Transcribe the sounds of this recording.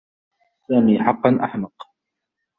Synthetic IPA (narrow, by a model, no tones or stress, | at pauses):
saːmiːħɑqːɑnʔa̰ħmɑq